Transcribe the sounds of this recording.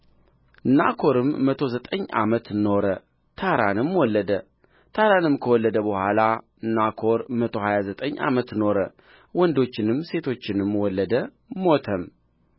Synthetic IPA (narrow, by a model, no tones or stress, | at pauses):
nakʰo̞ɾɨmːət̪ʰo̞zət̪ʼəɲːʔa̰mət̪no̞ɾə | t̪ʰaɾanɨmwɔlːəd̪ə | t̪ʰahɾanɨmkʰəwɔlːəd̪əbəhʷala | nakʰo̞ɾmət̪ʰo̞hajazət̪ʼəɲːʔa̰mət̪no̞ɾə | wɔnd̪o̞t͡ʃːɪnɨmse̞t̪ʰo̞t͡ʃːɪnɨmːwɔlːəd̪ə | mo̞t̪ʰəm